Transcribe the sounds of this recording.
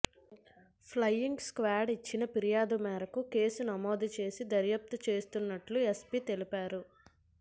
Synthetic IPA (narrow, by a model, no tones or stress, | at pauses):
pʰlɐjːiŋɡskʋaːɖit͡ʃːinɐpiɾijaːd̪umɛːɾɐkuke̞ːsunɐmo̞ːd̪it͡ʃe̞ːsid̪ɐɾjɐp̚t̪ut͡ʃe̞ːst̪unːɐʈluespit̪e̞lipaːɾu